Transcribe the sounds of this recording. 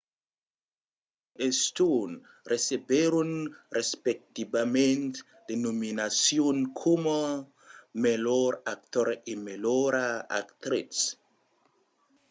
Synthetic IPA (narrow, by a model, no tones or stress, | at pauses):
est̪un | resebeɾunrespek̚t̪ibamẽnt̪ | d̪̥enominasjonkʰomo | meloɾak̚t̪oɾemeloɾaa̰kt̪ɾis